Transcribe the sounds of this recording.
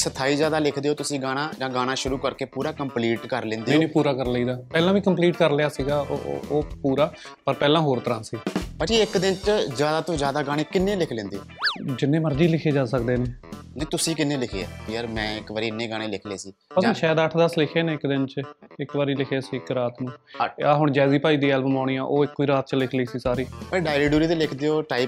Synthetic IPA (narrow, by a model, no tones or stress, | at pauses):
sət̪ʰaːiːzjaːd̪aːlɪkʰd̪eːɦoːt̪ʊsĩːɡaːɽ̃ãːd͡ʒãːɡaːɽ̃aːʃʊɾuːkəɾkeːpuːɾaːkəmpliːʈkəɾlẽːnd̪eẽːnĩːpuːɾaːkəɾləiːd̪aːpɛːlãːʋiːkəmpliːʈkəɾlɪjaːsiːɡa̰ːʔoːpuːɾaː | pəɾpɛːlãːɦoːɾt̪əɾãːnsiːbad͡ʒiːɪkd̪ɪnt͡ʃzjaːd̪aːt̪õːzjaːd̪aːɡaːɽ̃ẽːkɪnːẽːlɪkʰlẽːnd̪eːod͡ʒɪnːẽːməɾd͡ʒiːlɪkʰeːd͡ʒaːsəkd̪eːneː | nət̪ʊsĩːkɪnːeːlɪkʰḛːa̰ːjaːɾmɛ̃ːɪkʋaːɾiːnːẽːɡaːɽ̃ẽːlɪkʰlḛːsiːpəsːʃɛːd̪əʈʰd̪əslɪkʰeːneːɪkd̪ɪnt͡ʃɪkʋaːɾiːlɪkʰeːsiːɪkɾaːt̪nũːaɦʊɳd͡ʒɛːziːpaːiːd̪iːɛːlbəmaːɽiːãːʔoːɪkːoiːɾaːt̪̚t͡ʃəlɪkʰliːsiːsaːɾiːpəɖaːɪɾeːɖuːɾiːt̪eːlɪkʰd̪eːoːʈaːi